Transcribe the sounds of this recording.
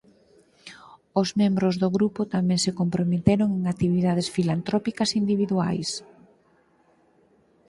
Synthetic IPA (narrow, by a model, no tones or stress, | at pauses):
ʊzmẽmbɾʊzðʊɣɾupʊt̪amɛ̃ŋsekompɾomet̪eɾoŋeŋat̪iβiðað̞esfilant̪ɾɔpikɐsind̪iβ̞iðua̰js